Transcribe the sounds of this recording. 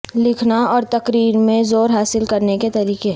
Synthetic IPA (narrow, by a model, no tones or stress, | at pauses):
lɪkʰnaɔːɾt̪ɐkɾiːɾmẽzoːɾɦaːsɪlkɐɾneket̪ɐɾiːkeɦ